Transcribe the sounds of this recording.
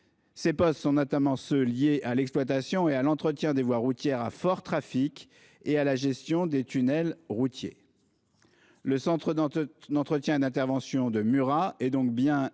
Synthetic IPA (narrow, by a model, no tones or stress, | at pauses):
sepɔst̪sɔ̃nɔt̪amɑ̃søljeʔalɛksplwat̪asjɔ̃ealɑ̃t̪χət̪jɛ̃d̪evwaʁut̪jɛʁafɔʁt̪χafik | ealaʒɛst̪jɔ̃d̪et̪ynɛlʁut̪jḛ | ləsɑ̃t̪χəd̪d̪ɑ̃t̪χət̪jɛ̃ed̪ɛ̃t̪ɛʁvɑ̃sjɔ̃d̪əmyʁaɛd̪ɔ̃k̚bjɛ̃